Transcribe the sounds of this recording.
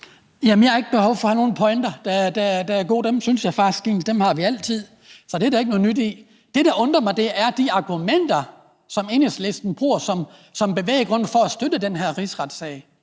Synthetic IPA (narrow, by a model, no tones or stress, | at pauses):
jæmnjɑhɑ̈e̝ɡ̥əb̥ehɒʊfɒ̽hæno̝ːn̩pʰɒɪnd̥ɐd̥æd̥æd̥æːɐɡ̥o̝̰ːd̥emsynsjɑ̈ɪfɑ̈sɡ̥in̩sd̥emhɑ̈ʋiæl̰t͡sʰið̞̰ˠ | sɒ̽d̥eædɾæeɡ̥nɔ̽ːnyd̥i | d̥e̝ɾ̥ɑ̈ʔɔ̽nd̥ʁɐmɑ̈ɪd̥e̝ʔæɐd̥iɑ̈ɡ̥umen̰d̥ɐ | sɒ̽me̝nesle̝sd̥n̩b̥ʁuːɐsɒ̽msɒ̽mb̥e̝ʋḛːəɡ̥ʁɔ̽n̰fɒ̽æsd̥ød̥əd̥enɦæɐ̰ʁisʁɑd̥sɛɪ